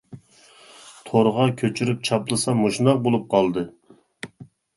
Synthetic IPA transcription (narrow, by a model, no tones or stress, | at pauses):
t̪ʰoɾʁɑkʲʰøt͡ʃʰyɾyp̚t͡ʃʰɑplˠɨsɑmoʃnɑq̚bolˠup̚qʰɑlˠd̪ɨ